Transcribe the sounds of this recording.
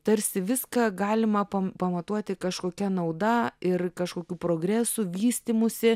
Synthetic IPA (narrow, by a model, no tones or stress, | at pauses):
t̪ɐɾʲsʲɪʋʲɪskɑːɡɑːlʲɪmɐpɐpɐmɐt̪uɔt̪ʲɪkɐʃkoːkʲɛnɐʊd̪ɐɪrkɐʃkoːkʲuːpɾoːɡɾʲæːsuːʋʲiːsʲt̪ʲimʊsʲɪ